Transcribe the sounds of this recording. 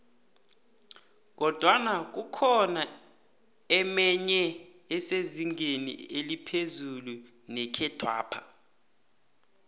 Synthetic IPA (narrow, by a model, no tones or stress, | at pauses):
k̬ɔd̥ʱwanak̬ukʰɔna | ɛmɛɲɛ | ɛseziŋʱenḭelipʰezulu | nɛkʰɛd̥ʰʱwa̰ːpʰḁ